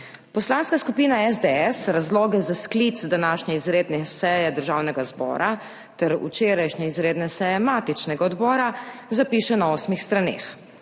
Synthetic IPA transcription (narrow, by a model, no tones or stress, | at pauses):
pɔslaːnskaskupiːnaɛzd̪eɛsɾazlɔːɡɛzasklit̪sd̪anaːʃɲɛizɾeːd̪nɛsɛjɛd̪əɾʒaːwnɛɡazbɔ̰ːɾʔa | t̪ɛɾṵt͡ʃeːɾajʃɲɛizɾeːd̪nɛsɛjɛmaːt̪it͡ʃnɛɡaɔd̪bɔːɾazapiːʃɛnaɔːsmixst̪ɾanḛːx